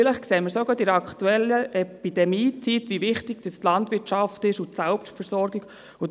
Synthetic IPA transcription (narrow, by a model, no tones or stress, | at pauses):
ɪləχkseːməɾsoɡɑdɪɾɑktuɛlːəʔɛpid̥ɛmiːt͡sitʋiʋɪχtɪɡ̥d̥əst̪lɑndʋɪtt͡ʃɑftɪʃʊtsælpʃtfəɾsɔɾɡɪɡ | ʊ